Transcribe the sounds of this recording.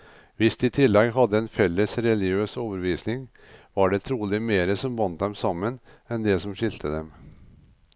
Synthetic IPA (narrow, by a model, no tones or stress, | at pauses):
ʋɪst̪ɪːt̪ʰɪlːɛɡɦɑd̪ːəɛnfɛlːəsɾɛlɪɡɪøːsoːʋəɾʋiːsnɪŋ | ʋɑɖɛt̪ʰɾuːlɪmeːɾəsɔmbɑnt̪̚d̪ɛmsɑmːənɛnd̪ɛsɔmɕɪlt̪ʰəd̪ɛm